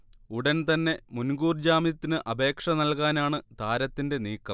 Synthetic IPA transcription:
uɽɐnt̪ɐnːe̞munɡuːrd͡ʑaːmjɐt̪ːinɨʔɐbe̞ːkʂɐnɐlkaːnaːɳɨt̪aːɾɐt̪ːinde̞niːkːɐm

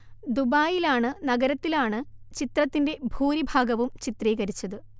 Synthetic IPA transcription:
d̪ubaːjilaːɳɨnɐɡɐɾɐt̪ːilaːɳɨt͡ɕit̪rɐt̪ːinde̞bʱuːɾibʱaːɡɐʋumt͡ɕit̪riːɣɐɾit͡ɕːɐðɨ

